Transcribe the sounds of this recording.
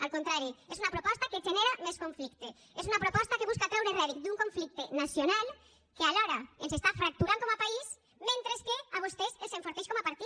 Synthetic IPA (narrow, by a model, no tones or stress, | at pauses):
alkont̪ɾaɾjoesunapɾopɔst̪aket͡ʃeneɾameskoɱflikt̪e | esunapɾopɔst̪akeβuskak̪ɾawɾereβikd̪uŋkõɱflik̚t̪enasjonal | kealoɾaensest̪afɾak̚t̪uɾankomapais | ment̪ɾeskeaβost̪eseseɱfoɾθejʃkomoapaɾt̪i